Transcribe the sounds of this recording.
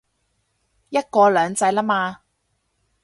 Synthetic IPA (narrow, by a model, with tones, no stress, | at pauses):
jɐ˥t̚kɔː˧lœː˨˧ŋt͡sɐ˧jlaː˥maː˧